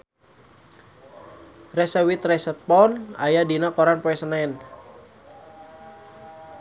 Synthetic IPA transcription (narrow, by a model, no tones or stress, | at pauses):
rɛsəwit̪rɛsəpɔna̰jadinakɔɾanpɔɛsənaɛn